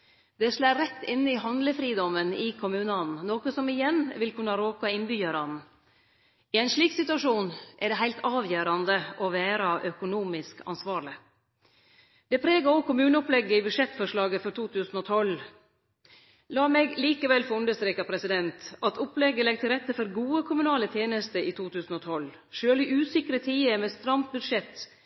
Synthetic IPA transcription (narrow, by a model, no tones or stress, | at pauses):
d̪̥ɛʂlæːɾɛt̪ːɪnːəɪɦɑnd̪ləfɾiːd̪ɔmənɪkʰʊmʉːnəɑnn̩noːkəsɔmɪjɛnːʋɪlkʰʉnːɑɾoːkɑɪnbyːjøːɾɑnn̩ | ɪæɪnʂɭiːksɪt̪ʉɑʂuːnʔɛɖɛɦæɪlt̪ɑːʋjøːɾɑnd̪əʔɔʋæːɾɑʔœkʊnuːmɪskɑ̰nsʋɑːɾɭɪ | d̪̥ɛpʰɾeːɡɑɔɡkʊmʉːnəɔplɛɡːəibʉd̪ʂɛt̪fɔʂɭɑːɡəfɔɾt̪ʰuːt̪ʰʉːsn̩ɔt̪ʰɔl | lɑːmeːɡliːkəʋɛlfɔɾʉnd̪əɾst̪ɾeːkɑpʰɾɛsɪd̪ɛnt̪ɑt̪ʰʊplɛɡːəlɛɡ̚t̪ɪlɾɛt̪ːəfɔɾɡuːəkʰʊmʉnɑːlət̪ʰjeːnəst̪əiːt̪ʰuːt̪ʰʉːsn̩ɔt̪ʰɔl | ʃøːlɪʔʉːsɪkɾət̪ʰiːəmeːst̪ɾɑmbʉd̪ʂɛt̪ː